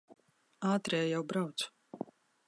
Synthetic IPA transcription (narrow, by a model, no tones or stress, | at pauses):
aːt̪ɾɛjajawbɾawt̪s